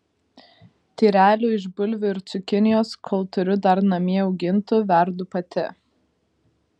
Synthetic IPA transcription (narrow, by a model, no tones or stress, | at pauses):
t̪ʲiːɾʲæːlʲuːɪʒbʊlʲʋʲʊɪɾt̪sʊkʲɪnʲɪjoːskʰɔlˠt̪ʊɾʲʊd̪ɐɾnɐmʲiɛɒʊɡʲɪnt̪ʊʋʲɛɾd̪ʊpɐt̪ʲɪ